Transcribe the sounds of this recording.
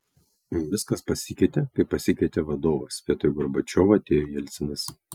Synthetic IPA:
ʋʲɪskɐspɐsʲɪkʲɛɪt̪ʲɛkɐɪpɐsʲɪkʲɛɪt̪ʲɛʋɐd̪oːʋɐspʲeɛt̪ɾʊɡɔɾbɐt͡ʃʲoːʋɐɐt̪ʲeːjojɛlʲt̪sʲɪnɐs

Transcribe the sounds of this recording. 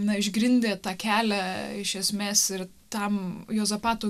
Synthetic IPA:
nɐɪʒɡɾʲɪnʲd̪ʲeːt̪ɑːkʲæːlʲæɪʃʲɛsʲmʲeːsɪɾ | t̪ɐmjoːzɐpɑːt̪uː

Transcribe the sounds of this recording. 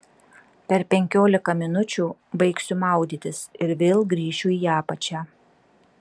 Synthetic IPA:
pʲɛɾpʲɛŋʲkʲoːlʲɪkɐmʲɪnʊt͡ʃʲuːbɐɪksʲʊmɑˑʊd̪ʲiːt̪ʲɪsɪɾʋʲelˠɡɾʲiːʃʲʊiːjæːpɐt͡ʃʲæː

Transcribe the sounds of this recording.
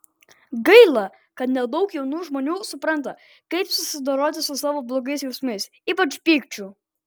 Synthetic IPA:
ɡɐɪlˠɐ | kɐt̪nʲɛd̪ɐʊkjɛʊnuːʒmoːnʲuːsʊpɾɐnt̪ɐ | kɐɪpsʊsʲɪd̪oːɾoːt̪ʲɪsʊsɑːʋoːblˠoːɡɐɪsjɛʊsʲmʲɐɪs | iːpɐt͡ʃpʲiːkt͡ʃʲu

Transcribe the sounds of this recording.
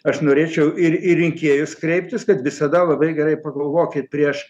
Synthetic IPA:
ɐʃnoːɾʲeːt͡ʃʲɛʊɪɾɪɪŋʲkʲeːjʊskɾʲɛɪpʲt̪ʲɪskɐt̪ʋʲɪsɐd̪ɐlˠɐbɐɪɡʲɛɾɐɪpɐɡɐlˠʋoːkʲɪt̪̚pʲɾʲiɛʃ

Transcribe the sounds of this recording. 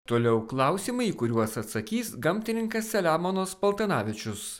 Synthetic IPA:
t̪oːlʲɛʊklˠɐˑʊsʲiːmɐɪikʊɾʲuɔsɐt̪sɐkʲiːsɡɐmʲt̪ʲɪnʲɪŋkɐsːʲɛlʲæːmoːnoːspɐlˠt̪ɐnɑːʋʲɪt͡ʃʲʊs

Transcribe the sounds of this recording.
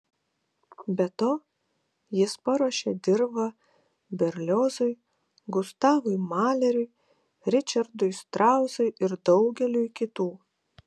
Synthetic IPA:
bʲɛt̪oː | jɪspɐɾoːʃʲed̪ʲɪɾbɐ | bʲɛɾʲlʲoːzʊɪ | ɡʊst̪ɑːʋʊɪmɑːlʲɛɾʲʊɪ | ɾʲɪt͡ʃʲɐɾd̪ʊjst̪ɾɑˑʊzʊɪʔɪɾd̪ɒʊɡʲɛlʲʊjkʲɪt̪uː

